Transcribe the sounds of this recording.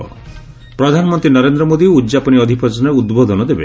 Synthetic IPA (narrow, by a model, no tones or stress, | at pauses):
pɾɔd̪ʱanɔmɔnt̪ɾinɔɾend̪ɾɔmod̪iud̪d͡ʒapɔniɔd̪ʱipʰɔt͡ʃɔneud̪bod̪ɔnɔd̪ebe